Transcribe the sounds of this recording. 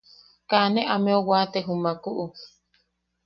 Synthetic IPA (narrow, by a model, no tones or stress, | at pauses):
kaneʔamẽowaːt̪eɦumakuʔu